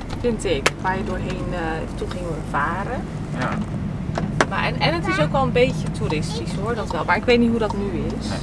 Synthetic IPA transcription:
fɪntɪkʋaːɹjədʊːɹɦejn | tɔχɪŋʋəvaːrə | ma̰ɛ̰nɛnətɪsowkʋɛlˠənbejcətuɾɪstisɦoɹdɑtʋɛlˠmaːɹɪkʋejtnitɦudɑtnyɪs

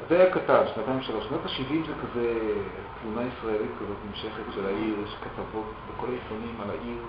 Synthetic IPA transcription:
zeajakatanʃnat̪ajimʃaloʃnotaʃivimzekaze | tlunaisʁaelitkazo̞tmemʃeχetʃelaʔiʁʃelkat̪avo̞tbeko̞laifonimala̰ʔiʁ

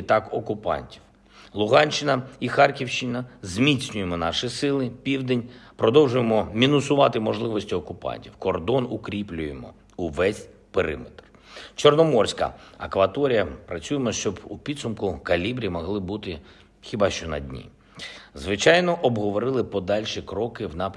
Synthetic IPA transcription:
t̪ɑkɔkʊpɑ̰nʲtʲiw | lˠʊɦɑnʲt͡ʃːɪnɐixɑrkʲiwʃt͡ʃɪnɐzʲmʲisʲnʲʊjemɔnɑʃɪsɪlˠɪpʲiwd̪enʲpɾɔd̪ɔwʒʊjemɔmʲinʊsʊʋɑt̪ɪmɔʒlˠɪʋɔsʲtʲiɔkʊpɑ̰nʲtʲiwkɔrd̪ɔnʊkɾʲiplʲʊjemɔ̰ | uʋɛsʲ | peɾɪ̰met̪r | t͡ʃɔrnɔmɔrsʲkɐ̰ɐkʋɐt̪ɔɾʲijɐpɾɐt͡sʲujemɔʃt͡ʃɔbupʲid̪sʊmkʊkɐlʲibɾʲijmɔɦlˠɪbut̪ɪ | xʲibɑʃt͡ʃɔnɐ̰dʲnʲḭ | zʋɪt͡ʃɑjnɔʔɔbɦɔʋɔɾɪlˠɪpɔd̪ɑlʲʃikɾɔkɪwnɑpʲ

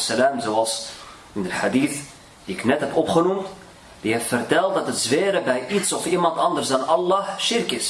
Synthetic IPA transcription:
səlaːmzoːɑlˠs | ɪndəχadiːθ | d̥iɪknɛtɦɛpɔpχənumt | d̥iɦɛftfərtɛlˠt̚dɑtətzʋeːɾəbɛjʔitsɔfimɑntɑndərsdɑnɑlˠːɑːʃɪrkɪs

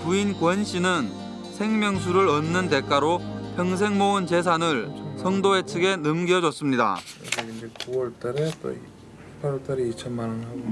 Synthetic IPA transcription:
puinkwʌnɕʰinɯn | sʰe̞ŋmjʌŋsʰuɾɯɾʌnːɯnte̞k͈aɾopʰjʌŋs̬ʰe̞ŋmoɯnt͡ɕe̞s̬ʰanɯɭsʰʌŋdoet͡ɕʰɯɡe̞nɯmɡjʌd͡ʑʌs͈ɯmɲida̰eɡindekuwʌɭt͈aɾeto̰ | pʰaɾwʌɭt͈aɾeit͡ɕʰʌnmanɯnɦaɡo

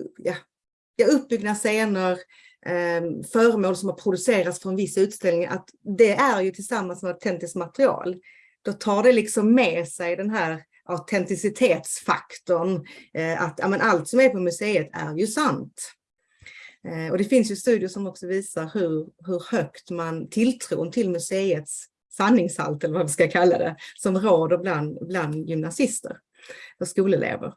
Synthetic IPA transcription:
ja | jɑːɵp̚ːbʏɡnaseːnəɾ | fœːɾəmoːlsɔmhaɾpʰɾʊd̪ɵseːɾat̪sfɾɔnvɪsːaʉ̟ːt̪st̪ɛlnɪŋʔa̰t̪ | d̪ɛʔæɾjɵt̪ʰɪlsamːansmɛat̪ʰɛnt̪ɪskmat̪ɾɪɑ̰ːl | d̪̥ɔt̪ʰɑːɖɛlɪksɔmːɛsɛjd̪ɛnɦæːɾ | ʔaʊt̪ʰɛnt̪ɪsɪt̪ʰeːt̪sfa̰kt̪ɔɳ | a̰t̪jɑ̰ːmɛnʔalt̪sɔmæɾpʰɔmɵseːət̪ʰæ̰ɾjɵsant̪ | ɔd̪ɛfɪnsjɵst̪ʉ̟ːd̪ɪəʂɔmɔksɔviːsaɾhɵɾɦɵɾhœkt̪mant̪ʰɪlt̪ʰɾṵːnt̪ʰɪlmɵseːət̪sː | anːɪŋsha̰lt̪ɛlːəvavɪskakʰalːa̰d̪ɛ̰sɔmɾoːd̪əbland̪bland̪jʏmnasɪst̪ə̰ɾ | fœʂkuːləlʔḛːvə̰ɾ

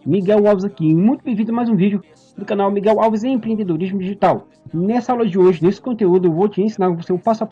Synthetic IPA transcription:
miɡɛwawvɪzɐkiẽj̃mũj̃t̪ʊbevĩd̪ʊmajzũvid͡ʒʊ | d̪ʊkãnawmiɡɛwawvɪzẽẽpɾẽnd̪ed̪oɾizmʊd͡ʒiʒit̪aw | nɛsɐawlɐd͡ʒɪoʒɪnesɪ̥kõnt̪eud̪ʊewvot͡ʃɪẽsĩnaɾkõvoseʊpasa

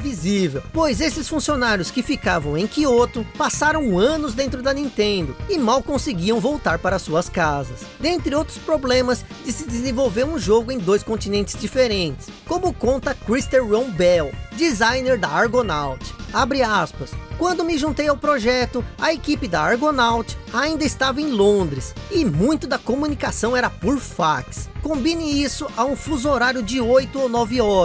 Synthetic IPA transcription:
vizivewpojzesɪsfũsionaɾjʊskɪfikavɐ̃w̃ẽj̃kiot̪ʊpasaɾɐ̃w̃ɐ̃nʊzd̪ẽnt̪ɾʊd̪ɐnĩt̪ẽnd̪ʊɪmawkõsɪɡiɐ̃w̃vowt̪aɾpaɾɐsuɐskazɐsd̪ẽnt̪ɾɪowt̪ɾʊ̥spɾoblẽmɐz | d͡ʒɪsɪd̪ɪzẽvowveɾũʒoɡʊẽj̃d̪ojskõnt͡ʃinẽnt͡ʃɪ̥zd͡ʒifeɾẽnt͡ʃɪ̥skõmʊkõnt̪ɐkɾist̪eɾɾõbɛwd͡ʒizajneɾd̪ɐaɾɡonawt͡ʃɪ̥abɾiaspɐskwɐ̃nd̪ʊmɪʒũnt̪ejawpɾoʒɛt̪ʊɐekipɪd̪ɐaɾɡonawt͡ʃɪ̥aĩnd̪ɐɪst̪avɐẽj̃lõnd̪ɾɪsɪmũj̃t̪ʊd̪ɐkomunikasɐ̃w̃ɛɾɐpoɾfakskõmbinɪisʊʔɐũfuzoɾaɾjʊd͡ʒɪojt̪ʊonɔvɪɔ

